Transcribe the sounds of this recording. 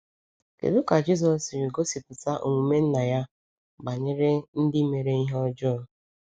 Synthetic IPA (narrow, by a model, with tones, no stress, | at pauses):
kḛ˨dʊ˦ka˨d͡ʒi˦z̬ɔ˨sɾi˨ɡo˦si˨pʊ˨ta˦ʔu˨ŋʷu˨me˦n̩˦na˨ja˦ | ba˨ɲe˦ɾe˦n̩˦dɪ˦me˨ɾe˦i˦ɦɔ˦d͡ʒɔː˦˨